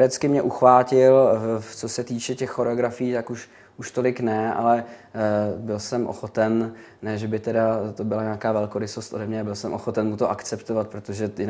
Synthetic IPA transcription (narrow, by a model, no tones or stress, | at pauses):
ɾɛt͡skɪmɲɛʔuxvaːcɪlt͡so̞sɛt̪iːt͡ʃɛcɛxːoɾɛoɡɾafɪjiːt̪akuʃ | uʃt̪o̞lɪknɛʔa̰lɛ | bɪlsɛmʔo̰xo̞t̪ɛn | nɛːʒɛbɪt̪ɛdat̪obɪlaɲaːkaːvɛlkoɾɪsost̪ʔo̞̰dɛmɲɛabɪlsɛmʔo̞xo̞t̪ɛnmut̪oʔakt͡sɛpt̪ovat̪̚pɾot̪oʒɛjɪ